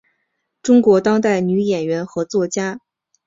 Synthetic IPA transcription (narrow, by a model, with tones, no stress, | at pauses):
ʈ͡ʂʊ˥ŋkwɔ˧˥t̪ɑ˥ŋt̪̬a˥˩ɪny˧˥jɛ˨˩nɥɛ˧˥nxɤ˧˥t͡swɔ˥˩t͡ɕja˥